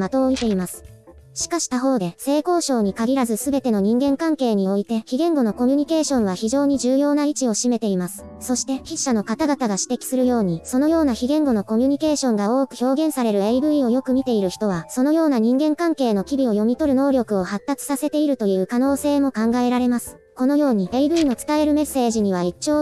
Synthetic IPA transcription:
mat̪o̞ːit̪e̞imasɨ̥ | ɕi̥kaɕi̥t̪aɦo̞ːd̪e̞se̞ːko̞ːɕo̞ːɲ̟ikaɡʲiɾazɨsɨbe̞t̪e̞no̞ɲ̟ĩŋɡẽ̞ŋkãŋke̞ːɲ̟io̞it̪e̞çiɡẽ̞ŋɡo̞no̞ko̞mʲɯ̟ɲ̟ike̞ːɕõ̞ɰ̃β̞açiʑo̞ːɲ̟iʑɨːjo̞ːnait͡ɕio̞ɕime̞t̪e̞imasɨ̥so̞ɕi̥t̪e̞çiɕːano̞kat̪aɡat̪aɡaɕi̥t̪e̞kʲi̥sɨɾɯ̟jo̞ːɲ̟iso̞no̞jo̞ːnaçiɡẽ̞ŋɡo̞no̞ko̞mʲɯɲ̟ike̞ːɕõ̞ŋɡao̞ːkɯ̟̥ço̞ːɡẽ̞ɰ̃saɾe̞ɾɯ̟eibɯ̟io̞jo̞kɯ̟mʲit̪e̞iɾɯ̟çi̥t̪o̞β̞aso̞no̞jo̞ːnaɲ̟ĩŋɡẽ̞ŋkãŋke̞ːno̞kʲibʲio̞jo̞mʲit̪o̞ɾɯ̟no̞ːɾʲo̞kɯ̟o̞hat̪ːat͡sɨ̥sase̞t̪e̞iɾɯ̟t̪o̞jɯ̟ːkano̞ːse̞ːmo̞kãŋɡae̞ɾaɾe̞masɨ̥ | ko̞no̞jo̞ːɲ̟ieibɯ̟ino̞t͡sɨ̥t̪ae̞ɾɯ̟me̞sːe̞ːʑiɲ̟iβ̞ait͡ɕt͡ɕːo̞ː

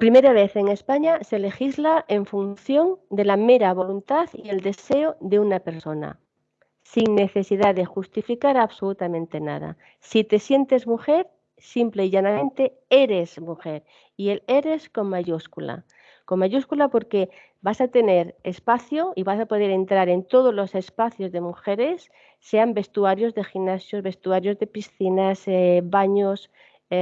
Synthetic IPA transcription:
pɾime̞ɾaβ̞e̞θe̞ŋe̞spaɲase̞le̞xizlaʔe̞ɱfunθjo̞nd̪e̞lame̞ɾaβ̞o̞lunt̪aθie̞ld̪e̞se̞oðe̞unape̞ɾso̞na̰ | siŋne̞θe̞siðaðe̞xust̪ifikaɾaβso̞lut̪amẽnt̪e̞na̰ð̞a̰ | sit̪e̞sje̞nt̪e̞zmuxe̞ɾ | simple̞iʝanamẽnt̪e̞ | e̞ɾe̞zmuxe̞ɾ | iele̞ɾe̞sko̞mmaʝuskula̰ | ko̞mːaʝuskulapo̞ɾke̞ | basat̪e̞ne̞ɾespaθjoiβasapo̞ð̞e̞ɾe̞nt̪ɾaɾe̞nt̪o̞ð̞o̞zlo̞se̞spaθjo̞zðe̞muxe̞ɾe̞sː | e̞ambe̞st̪uaɾjo̞zðe̞xinasjo̞zβe̞st̪uaɾjo̞zðe̞pisθinasβaɲos

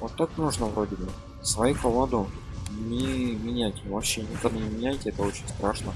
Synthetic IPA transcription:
vot̪ːaknuʐnəvɾodʲɪbɨ | svɐjupovˠod̪ʊnʲɪmʲɪnʲætʲvɐpɕːenʲɪkad̪anʲɪmʲɪnʲæjtʲɪɛt̪əo̞t͡ɕɪnʲst̪ɾaʂnə

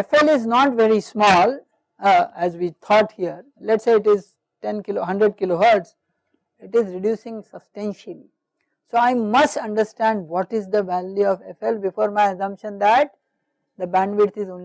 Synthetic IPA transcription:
efɛlɪznɔʈʋeɾismɔːl | æzʋiːt̪ʰɔːʈhiəɾ | lɛʈseːɪʈɪz | ʈẽnkɪloɦʌ̃ɳɖɾeɖ̚kɪloɦəɾɖs | ɪʈɪzɾɪɖjuːsɪ̃ŋsəbsʈẽnʃəli | soːaɪmʌsʈʌ̃ɳɖəɾsʈæ̃ɳɖʋɔːʈɪzd̪əʋæljuɔʋefɛlbɪfoːɾmaɪɐsʌ̃mpʃə̃nd̪æʈ̚ | d̪əbæ̃nɖʋɪɖt̪ɪzõːn

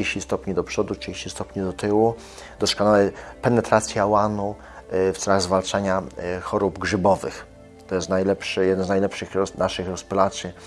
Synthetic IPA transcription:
eɕist̪ɔpɲid̪ɔpʂɔd̪uteɕist̪ɔpɲid̪ɔt̪ɘwu | d̪̥ɔskɔnawɛpɛnɛt̪ɾat̪sʲjawanu | ft̪sɛlaɣzvalt͡ʂaɲaxɔɾubɡʐɘbɔvɘ̰x | t̪ɔjɛst̪najlɛpʂɘjɛd̪ɛnznajlɛpʂɘxɾɔnaʂɘxɾɔspulat̪sʲji

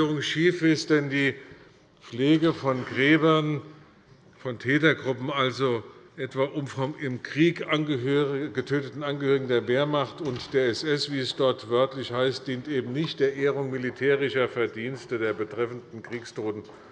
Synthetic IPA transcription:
ʁʊŋʃiːfɪst̚d̥ɛndiː | p͡fleːɡəfɔnɡʁɛːbɐn | fɔntʰɛːtɐɡʁʊpm̩alzoʔɛtv̥aːʔʊmfɔmɪmkʁ̥iːkanɡəøʁɪɡətʰøːtətn̩anɡəhøːʁɪɡŋ̩deːɐveːɐmaχtʊntd̥eːɐɛsʔɛsv̥iːɛsd̥ɔɐtv̥œɐtlɪçhaɪst̚d̥iːntʔeːbm̩nɪçt̚d̥eːɐʔeːəʁʊŋmilitʰɛːʁ̞ɪʃɐfɛɐdiːnstədeːɐbətʁ̥ɛfn̩dn̩kʁ̥iːkstʰoːtn̩

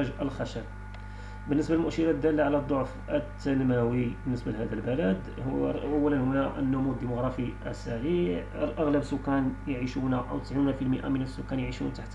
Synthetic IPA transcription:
æʒəlxæʃæb | bənːəsbælmʊʔʃəɾɑd̪ælːaʕlæd̪ˤːoʕf | ət̪ːænmæwibənːəsbəlhæd̪əlbəlæd̪ | hʔæwːælənhʊnæʔənːʊmud̪ːimʊɣɾˤɑfiʔæ̰sæʕiʕəlʔæɣləbsʊkːænjʕiʃunæʔə̰wt̪ə̥sʕinæfilməʔa̰mənəsːʊkːænjʕiʃunt̪aħt̪

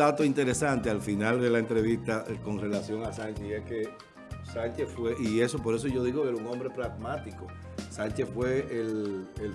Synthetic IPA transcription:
at̪o̞int̪e̞ɾe̞sant̪e̞alfinald̪e̞laent̪ɾe̞βist̪ako̞ŋre̞lasjo̞ŋasaɲt͡ʃeieske̞ | saɲt͡ʃe̞sfweʔie̞so̞po̞ɾes̬oʝo̞ðiɣokeeuŋõ̞mbɾe̞pɾaɣmat̪iko | saɲt͡ʃe̞sfwe̞elel

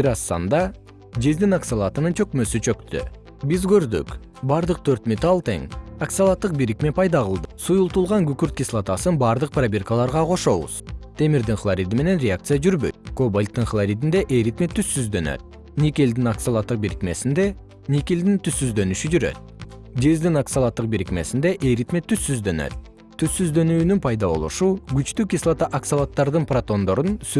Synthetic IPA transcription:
biɾɑsːɑ̰nd̪ɑ | d͡ʒezd̪inaksalˠɑt̪ɯnɯnt͡ʃʰø̞kmø̞syt͡ʃʰø̞kt̪y̰ | bizɡø̞ɾd̪y̰k | bɑɾd̪ɯq̚t̪ʰø̞ɾt̪mʲet̪ɑlˠt̪e̞̰ŋaksalˠat̪ːɯq̚biɾikme̞pʰɑjd̪ɑʁɯlˠd̪ɯsujulˠt̪ulˠʁɑŋɡykyɾt̪̚kʲislˠat̪ɑsɯnbɑɾd̪ɯq̚prabʲerkalˠɑɾʁɑqʰo̞ʃo̞βṵz̥t̪ʰe̞miɾd̪iŋχlˠaɾʲid̪ime̞ne̞nɾʲeakt̪sɨjad͡ʒyɾbøjt̪̚kobolʲt̪ːɯnχlˠaɾʲid̪ind̪e̞ʔejɾit̪met̪ʰysːyzd̪ø̞nø̰t̪̚ | nʲikeld̪inaksalˠat̪ːɯq̚biɾikme̞sind̪e̞ | nʲikʲeld̪int̪ʰysːyzd̪ø̞nyʃyd͡ʒyɾø̞̰t̪̚d̪ezd̪inaksalˠat̪ːɯq̚biɾikme̞̰sind̪e̞ʔejɾit̪met̪ʰːysːyzd̪ø̞nø̞̰t̪ːʰ | ysːyzd̪ø̞nyːnynpʰɑjd̪ɑβo̞̰lˠṵʃuɡyt͡ʃt̪ykʲislˠat̪aʔaksalˠat̪ːɑɾd̪ɯnprat̪o̞nd̪o̞ɾuns

